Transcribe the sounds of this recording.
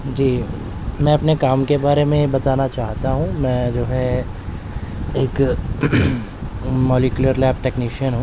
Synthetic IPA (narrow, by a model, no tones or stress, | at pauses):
d͡ʒiː | mɛ̃ːɐpnekaːmkebaːɾemẽbɐt̪aːnat͡ʃaːɦt̪aɦũmɛ̃ːd͡ʒoːɦɛ | eːk | mɔːlikjʊləɾlɛːp̚ʈɛːkniːʃiənɦũː